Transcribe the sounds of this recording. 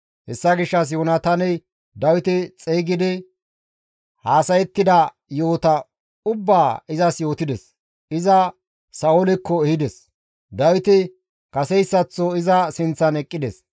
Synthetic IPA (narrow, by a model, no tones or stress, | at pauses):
hɛsːɐɡɪʃːɐs̬joːnɐt̪ɐnɛj | d̪ɐwɪt̪ɪt͡sʼeːɡɪd̪ɪ | haːsɐjɛt̪ːɪd̪ɐ | jo̞ːt̪ɐ | ʊbːaːɪzɐsjo̞ːt̪ɪd̪ɛs | ɪzɐ | sɐɔlɪkːɔɛhɪd̪ɛs | d̪ɐwɪt̪ɪ | kɐsɛjsːɐt͡sːɔɪzɐsɪnt͡sːɐnɛkʼːɪd̪ɛs